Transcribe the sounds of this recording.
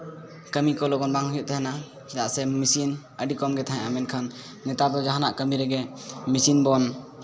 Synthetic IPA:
kəmikɔlɔɡɔnbaŋhujɔʔt̪ɛɦɛna | t͡ʃɛd̪aʔsɛmisin | əɖikɔmɡɛt̪ʰaɦɛ̃ʔamɛnkʰanː | ɛt̪apɛd͡ʒaɦanaʔkəmiɾɛɡɛmisinbɔn

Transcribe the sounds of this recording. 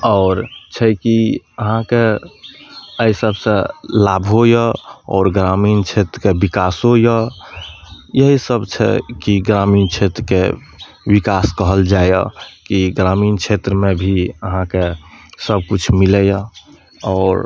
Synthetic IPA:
ɔːɾt͡ʃʰɛkiəɦãke | əisəbsə̃labʱɦojəɔ̰ːɾɡɾamint͡ʃʰet̪ɾəkebikasɦojə | jəɦisəbt͡ʃʰɛ̰kiɡɾamint͡ʃʰet̪ɾəke | wikaskəɦəld͡ʒaj̰kiɡɾamiːnt͡ʃʰet̪ɾəmẽbʱiəɦãkesəb̚kut͡ʃʰmiləjə | ɔːɾ

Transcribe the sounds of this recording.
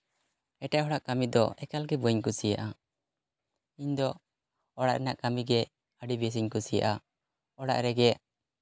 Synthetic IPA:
ɛʈaɦɔɽaʔkamid̪ɔɛkalɡɛbɔɲkusija̰ʔa | iɲd̪ɔ | ɔɽa̰ʔɾɛnaʔkamiɡɛ | əɖibɛs̬iɲkusija̰ʔa | ɔɽa̰ʔɾɛɡɛ

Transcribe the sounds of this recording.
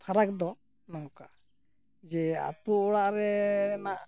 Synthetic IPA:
pʰaɾak̚d̪ɔ | nɔwka | d͡ʒɛa̰t̪uʔɔɽaʔɾɛnaʔ

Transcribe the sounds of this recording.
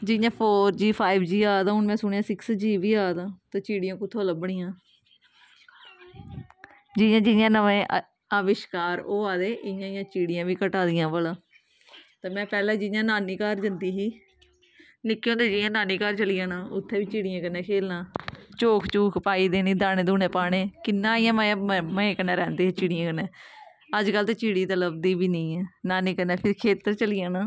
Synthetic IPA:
d͡ʒɪjãːpʰoːɾd͡ʒiːpʰaːiɪbd͡ʒiːaːd̪ãːɦʊnmɛ̃ːsʊɳijãːsɪksd͡ʒiːʋiːaːd̪ãːt̪aːt͡ʃiːɽɪjãːkʊt̪ʰːoːləbəɳijãː | d͡ʒɪjãːd͡ʒɪjãːnəʋẽː | əʋɪʃkaːɾoːaːd̪eːʔɪjãːɪjãːt͡ʃiːɽɪjãːʋiːkəʈaːd̪ɪjãːʋəlãː | t̪aːmɛ̃ːpɛːlãːd͡ʒɪjãːnaːniːkaːɾd͡ʒənd̪iːɦiː | nɪkːjõːd̪eːd͡ʒɪjãːnaːniːkaːɾt͡ʃəlɪjãːnãːʊt̪ʰːɛ̃ːʋiːt͡ʃiːɽɪjãːkənːɛ̃ːkʰeːlnãːt͡ʃoːkʰt͡ʃuːkʰpaːiːd̪eːnĩːd̪aːñẽːd̪uːneːpaːɽ̃eːkɪnːãːɪjãːməməẽːkənɛ̃ːɾɛːnd̪eːɦiːt͡ʃiːɽɪjãːkənɛː | əd͡ʒkəlt̪eːt͡ʃiːɽiːt̪ələb̚d̪iːʋiːnəĩːɛːnaːniːkənːɛːpʰɪɾkʰeːt̪əɾt͡ʃəlɪjãːnaː

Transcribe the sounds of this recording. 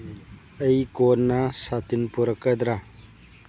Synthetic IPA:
ɐjkonːɐsat̪inpuɾɐkːɐd̪ɾa

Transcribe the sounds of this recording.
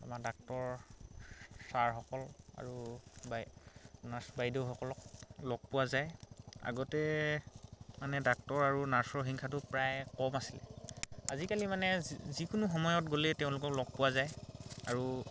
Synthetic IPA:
a̰madak̚tɔɹ | saɹxɔkɔla̰ɹubanasbajdewxɔkɔlɔk̚lɔɡ̚pʊwazaja̰ɡɔtɛ | manɛdak̚tɔɹaɹunaɹsɔɹɦiŋkʰatʊpɹajkɔmasilɛ̰azikalimanɛzikʊnuxɔmɔjɔtɡolɛteʊ̃lʊkɔklɔɡ̚pʊwazajaɹu

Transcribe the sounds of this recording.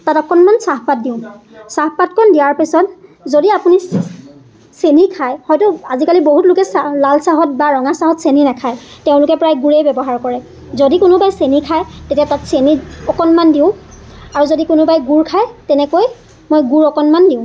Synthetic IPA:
tatɔkɔnmansaɦpat̚diʊ̃saɦpatkʰɔndijaɹpisɔtzodiapuni | senikʰajhɔjtʊazikaliboɦutlʊkɛsalalsaɦɔt̚baɹɔŋasaɦɔtseninakʰajteʊ̃lʊkɛpɹajɡuɹejbɛbɔɦaɹkɔɹɛ | zodikʊnʊbajsenikʰajtetiatatseniɔkɔnmandiʊ̃aɹuzodikʊnʊbajɡuɹkʰajtɛnɛkoj | mojɡuɹɔkɔnmandiʊ̃

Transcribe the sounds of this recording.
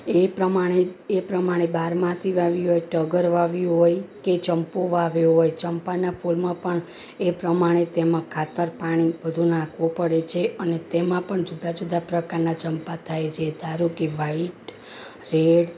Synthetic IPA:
epɾəmaɽ̃eepɾəmaɽ̃ebaɾmãsiʋaʋiɦojʈəɡəɾʋaʋiɦojket͡ʃəmpoʋaʋjoɦojt͡ʃəmpanapʰulmãpəɳ | epɾəmaɽ̃et̪emãkʰat̪əɾpaɽ̃ibəd̪ʱunãkʰʋõpəɽet͡ʃʰeənet̪emãpəɳd͡ʒud̪ʱad͡ʒud̪apɾəkaɾnat͡ʃəmpat̪ʰajt͡ʃʰed̪aɾukiʋaiʈ | ɾeɽ

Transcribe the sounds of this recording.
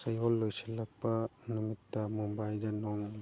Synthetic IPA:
sajɔlːojselak̚pɐnumit̪ːamumbajldɐnɔŋ

